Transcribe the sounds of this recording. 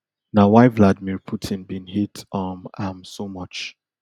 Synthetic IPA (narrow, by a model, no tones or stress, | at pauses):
nawaɪvladmiɹpʰutʰɪ̃nbĩnhitɔmamsomʌt͡ʃ